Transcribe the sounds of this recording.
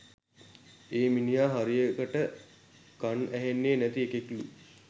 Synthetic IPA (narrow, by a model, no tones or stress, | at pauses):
eːminijaːɦaɾijəkəʈə | kanæɦenːeːnæt̪iekeklu